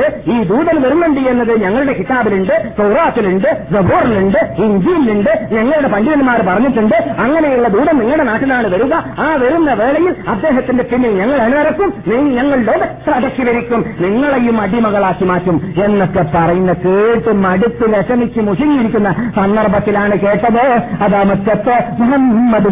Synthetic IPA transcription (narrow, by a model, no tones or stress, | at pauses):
ɨiːd̪uːðɐnʋɐɾunːuɳɖijenːɐðɨɲɐŋːɐɭuɽe̞kit̪aːbiluɳɖɨkɐwraːt̪ːiluɳɖɨzɐbuːriluɳɖɨiɲd͡ʑiːliluɳɖɨɲɐŋːɐɭuɽe̞pɐɳɖiðɐnmaːɾpɐrɐɲːiʈːuɳɖɨɐŋːɐnejuɭːɐd̪uːðɐnniŋːɐɭuɽe̞naːʈːinaːɳɨʋɐɾuɣɐaːʋɐɾunːɐʋe̞ːɭɐjilɐd̪ːe̞ːɦɐt̪ːindepinːeɲɐŋːɐɭeɳɨnɐɾɐkːumniɲɐŋːɐɭloːðɐsɾɐdɐkːiʋɐɾikʲːumniŋːɐɭejumɐɽimɐɣɐɭaːkːimaːtːumenːokːepɐrɐjunːɐkeːʈːɨmɐɽut̪ːɨleʂɐnikʲːumuʂiŋiiɾikʲːunːɐsɐnd̪ɐrbʱɐt̪ːilaːɳɨkeːʈːɐðoɐðaːmɐkːɐt̪ːɐmuɦɐmːɐð